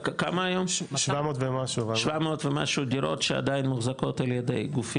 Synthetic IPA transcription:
kamaːjomʃvamoːt̪vemaʃuvamot̪vema̰ʃud̪iɾo̞̰tʃea̰d̪ajinmuχzako̞taljed̪ḛjɡufi

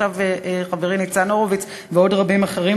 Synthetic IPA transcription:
aveʔχaveʁinit͡sano̞ʁovit͡s | veodʁabimaχeʁi

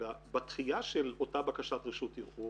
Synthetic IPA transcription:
abat̪χijaʃelotabakaʃatʁiʃutiχu

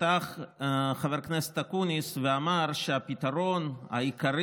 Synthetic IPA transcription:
t̪aχχaveɾknese̥t̪akunisveamaɾʃeapit̪aɾo̞na̰ikaɾi

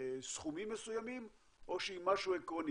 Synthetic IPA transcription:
sχumimːesujamim | ʔo̞ʃeimaʃuekʁoni

